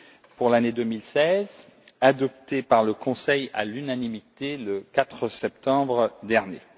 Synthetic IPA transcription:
puʁlaned̪əmilsɛz | ad̪ɔpt̪epaʁləkɔ̃sɛja̰lynanimit̪eləkat̪χəsɛpt̪ɑ̃bʁd̪ɛʁnje

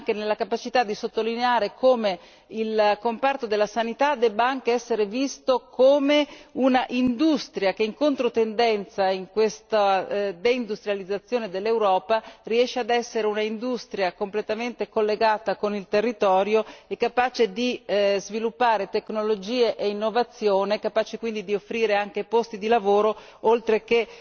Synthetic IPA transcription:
aŋk̟enelːakapat͡ʃit̪ad̪isot̪ːolineaːɾekoːme | ilkompart̪od̪elːasanit̪ad̪ɛbːaaŋk̟eɛsːeɾevist̪okoːmeunaʔind̪ust̪ɾjak̟eiŋkont̪ɾot̪end̪ɛnt̪saiŋkwest̪ad̪eind̪ust̪ɾjalid̪zːat̪sːjoːned̪elːewɾɔːpariɛʃːead̪ɛsːeɾeunaind̪ust̪ɾjakomplet̪ament̪ekolːeɡaːt̪akonilt̪erːit̪ɔːɾjoekːapaːt͡ʃed̪izvilupːaːɾet̪eknolod͡ʒiːeʔeinːovat̪sːjoːnekapaːt͡ʃekwind̪id̪iofːɾiːɾeaŋk̟epost̪id̪ilavoːɾo | olt̪ɾeke

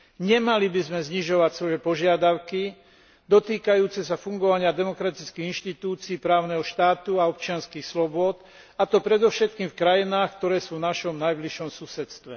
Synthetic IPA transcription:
ɲɛmalibizmɛzɲiʒɔʋacsʋɔjɛpɔʒɪad̪aʊki | d̪ɔt̪iːkajuːt͡sɛsafuŋɡɔʋaɲɪad̪ɛmɔkɾat̪it͡skiːɣinʃt̪it̪uːt͡siːpɾaːʊnɛɦɔʃt̪aːt̪uaɔp̚t͡ʃɪanskiːxslɔbʊɔt̪ | at̪ɔpɾɛd̪ɔfʃɛt̪̚kiːmfkɾajinaːxk̚t̪ɔɾɛːsuːvnaʃɔmnajbliʃɔmsusɛt̪st̪ʋɛ

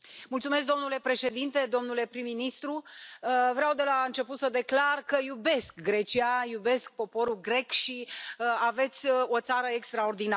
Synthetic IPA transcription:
mult̪sumes̬k̚d̪o̞mnule̞pɾe̞ʃe̞d̪int̪e̞d̪o̞mnule̞pɾimːinist̪ɾu | vɾeawd̪e̞laɨnt͡ʃe̞put̪səd̪e̞klarkəjube̞skɡɾe̞t͡ʃiajube̞sk̚po̞po̞ɾulɡɾe̞kʃiave̞t̪sʲo̞t̪saɾəekst̪ɾaord̪ina

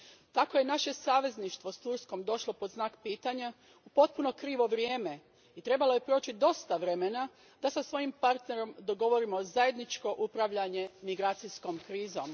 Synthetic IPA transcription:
t̪ako̞je̞naʃe̞saːʋe̞zniʃt̪ʋo̞st̪uɾsko̞md̪o̞ʃlo̞po̞d̪znaːkpiːt̪aɲa | upo̞t̪̚puno̞kɾiːʋo̞ʋɾjeːme̞ | it̪ɾe̞balˠo̞je̞pɾo̞ːt͡ɕid̪o̞st̪aʋɾe̞me̞na | d̪̥asasʋo̞jimpaɾt̪ne̞ɾo̞md̪o̞ɡo̞ʋo̞ɾimo̞zaje̞d̪nit͡ʃko̞ʔupɾaʋʎaɲe̞miɡɾaːt̪sisko̞mkɾiːzo̞m

